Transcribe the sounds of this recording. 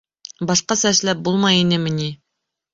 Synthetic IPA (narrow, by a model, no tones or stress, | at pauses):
bɑʃqɑsæʃlæp̚bulˠmɑjinɘmɘ̆ni